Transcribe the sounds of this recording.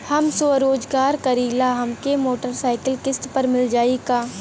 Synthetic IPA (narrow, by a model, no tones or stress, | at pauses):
hɐmsoɾoːd͡ʒɡaːɾkɐɾiːlaːɦɐmkemoːʈəɾsaːɪkəlkɪsʈpɐɾmɪld͡ʒaːikaː